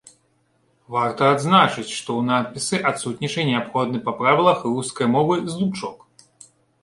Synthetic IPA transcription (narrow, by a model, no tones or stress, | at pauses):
vart̪ɐad̪znat͡ʂɨt͡sʲʂt̪ɔwnat̪̚pʲisɨʔat̪sut̪ʲnʲit͡ʂɨnʲɛapxɔd̪̚nɨpɐpɾavʲilˠɐxruskɐjmɔvɨzd̪umt͡ʂɔk